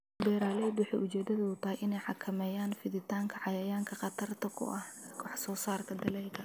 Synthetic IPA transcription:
bɛːɾaːlɛːb̪wʊħɑ̰ːʔʊt͡ʃɛːd̪ɐðɐʊt̪ʰɐhɛjʔɪnɛjħɑkʰɐmɛːjaːnfɪðɪt̪ʰaːŋkʰɐʕɑjɐjaːŋkʰɐqɑt̪ʰɐrt̪ʰɐkʰʊ̰ʔɐhkʰʊħsɔːsaːrkʰɐd̪ɐlɛːlkʰɐ

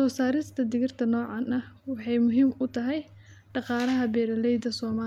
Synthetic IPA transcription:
sɔːsaːɾɪst̪ʰɐd̪ɪɣɪrt̪ʰɐnɔːʕɑnɐwɑħɑjmʊɦiːmʊt̪ʰɐɦɛj | ɖɑqɑːlɐɦɐbɛːɾɐlɛjd̪ɐsɔːmaː

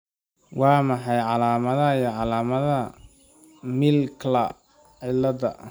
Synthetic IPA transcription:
wɑːmɑħɑjʕɑlaːmɐðɐijɔʕɑlaːmɐðɐ | mɪlkʰlɐ | ʕɪlɐðɐ̰

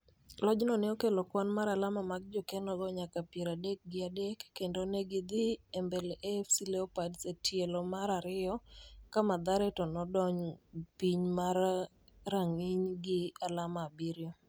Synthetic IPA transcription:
lɔd͡ʒnɔnɛɔkelɔkwanmaɾalamamaɡ̚d͡ʒokenɔɡɔɲakapjeɾadek̚ɡɪadekːendoneɡɪd̪ɪembelefsilɛɔpadsetjelɔmaɾaɾɪɔkamad̪aɾɛtɔnɔdɔɲpiɲmar | raŋiɲɡɪalamaːbiɾjɔ

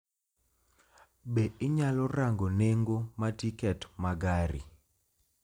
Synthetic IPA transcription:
beɪɲalɔraŋɡoneŋɡomatikɛtmaɡaɾḭ

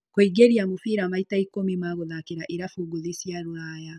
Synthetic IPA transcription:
koiɡeɾiamufiɾamaitaikomimaɣoðakeɾaʔiɾafuɡuðisjaɾwaːja

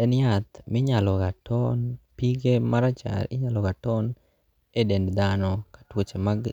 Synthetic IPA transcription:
ɛnjat̪mɪɲalɔɡatɔnpiɡemaɾat͡ʃa̰ɾɪɲalɔɡatɔn | edendd̪anɔkḁtwot͡ʃemaɡ

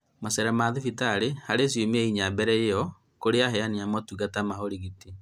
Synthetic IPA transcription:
masɛɾamaðifitaɾehaɾes̬jomɛiɲabɛɾɛjejɔ | koɾeaɦɛaniamɔtuɣɡatamaɦoɾiɣiti

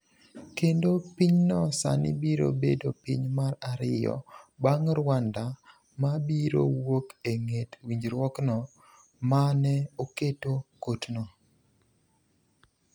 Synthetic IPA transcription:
kendopiɲnɔsa̰nḭbiɾo̰bedopiɲmaɾaɾɪjɔ̰baŋɾwanda | mabiɾo̰wokeŋetwiɲd͡ʒɾwɔknɔ | manɛoketokotnɔ

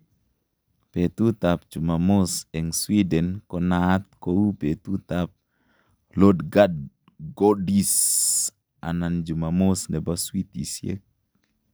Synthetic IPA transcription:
pet̪ut̪ap̚d͡ʒumamosɛŋswidɛnkɔnat̪̚kowupet̪ut̪ap̚ | lodɡad̚ | ɡodis | a̰nand͡ʒumamosnɛbaswit̪ḭsjḛk̚

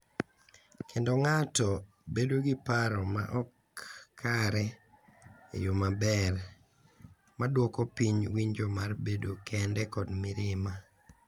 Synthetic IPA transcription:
kʰendoŋatɔ | bedoɡɪpaɾɔma̰ʔɔkʰː | aɾɛ | ḛjomabɛr | madwɔkɔpiɲwiɲd͡ʒomarbedokʰɛndɛkɔdmɪɾɪma

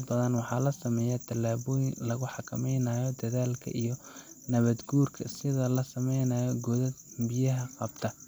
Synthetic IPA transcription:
bɐðɐnwɑħɑːlɐsɐmɛːjat̪ʰɐlːaːβɔːjɪnlɐɣʊħɑkʰɐmɛjnaːjɔd̪ɐðaːlkʰɐ̰ʔijɔ | nɐβɐd̪ɡuːrkʰɐ̰sɪðɐlɐsɐmɛjnɐːjɔɡɔðɐd̪bɪjɐɦɐqɑb̥t̪ʰɐ

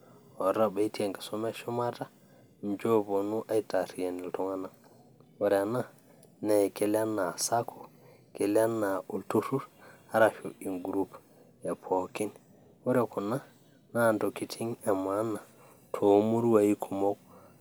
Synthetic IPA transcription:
wɔɾabaitiɛŋɡḁsɔmaʃɔmata | nd͡ʒɔbɔnuʔajtaɾijanɛltɔŋana | waɾɛana | naɛkɛlɛanːasakʰɔ̥ | kɛlɛanːaʔoltutuɾhaɾaʃo̰ʔinɡuɾup | ɛpʰokin | wɔɾɛkɔna | nandokːitʰiŋamanːa | tʰomuɾwajikʰumɔk

